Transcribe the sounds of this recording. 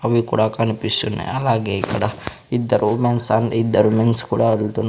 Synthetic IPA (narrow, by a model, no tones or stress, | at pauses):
ɐʋikuːɽakɐnipisunːḛɐlaːɡekɐɽa | id̪ːɐɾʔumensanɖid̪ːɐɾumenskuːɽaɐlt̪un